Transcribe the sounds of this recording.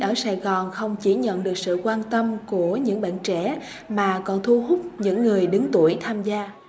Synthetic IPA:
ʔəː˧˩saː˨˩jɣɔ˨˩nxə˧wŋ͡mt͡ɕi˧˩ɲə̰˧˨nɗɨ˨˩ək̚sɨ̰˧˨kwaː˧nt̪ə˧mku˧˩əɲɨ̰˧˥ŋɓa̰ː˧˨nt͡ɕɛ̰˧˩˥ | maː˨˩kɔ˨˩nt̪ʰu˧ɦʊ˦˥k͡p̚ɲɨ̰˧˥ŋːɨ˨˩əjɗɨ˨˦ŋt̪u˧˩əjt̪ʰaː˧mzaː˧

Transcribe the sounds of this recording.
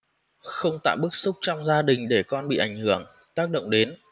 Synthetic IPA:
xə˧wŋ͡mt̪a̰ː˧˨wɓɨ˦˥k̚sʊ˦˥k͡p̚t͡ɕɔ˧wŋ͡mzaː˧ɗï˨˩ŋ̟ɗe˧˩kɔ˧nɓḭ˧˨ʔa˧˩jŋ̟hɨ˧˩əŋ | t̪aː˦˥k̚ɗə̰˧˨wŋ͡mɗe˨˦n

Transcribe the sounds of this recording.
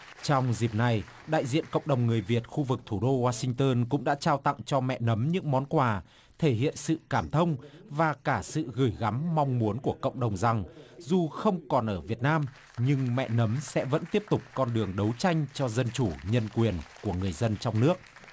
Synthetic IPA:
t͡ɕɔ˧wŋ͡mzi˨˩p̚na˨˩j | ɗa̰ː˧˨jzḭ˧˨ənkə̰˧˨wŋ͡mɗə˨˩wŋ͡mŋɨ˨˩əjvi˨˩ət̚xu˧vɨ˨˩k̚t̪ʰu˧˩ɗo˧waː˧sï˧ŋ̟t̪əː˧nkʊ̰˧˥ŋ͡mɗa̰ː˧˥t͡ɕaː˧wt̪a̰˧˨ŋt͡ɕɔ˧mɛ̰˧˨nə˨˦mɲɨ̰˧˥ŋmɔ˨˦nkwaː˨˩ | t̪ʰe˧˩hḭ˧˨ənsɨ̰˧˨kaː˧˩mt̪ʰə˧wŋ͡mvaː˨˩kaː˧˩sɨ̰˧˨ɣɨ˧˩jɣa˨˦mːa˧wŋ͡mmu˨˦ənku˧˩əkə̰˧˨ŋ͡mɗə˨˩wŋ͡mza˨˩ŋzu˨˩xə˧wŋ͡mkɔ˨˩nʔəː˧˩vi˨˩ət̚naː˧m | ɲɨ˧ŋmɛ̰˧˨nə˨˦msɛ̰˧˥və̰˧˥nt̪i˦˥əp̚t̪ʊ˨˩k͡p̚kɔ˧nɗɨ˨˩əŋɗə˨˦wt͡ɕa˧jŋ̟t͡ɕɔ˧zə˧nt͡ɕu˧˩ɲə˧nkwi˨˩ənku˧˩əŋɨ˨˩əjzə˧nt͡ɕɔ˧wŋ͡mnɨ˦˥ək̚

